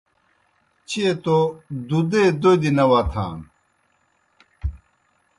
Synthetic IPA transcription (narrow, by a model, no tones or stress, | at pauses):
t͡ɕʰet̪od̪ud̪ed̪od̪inɐwat̪ʰa̰ːn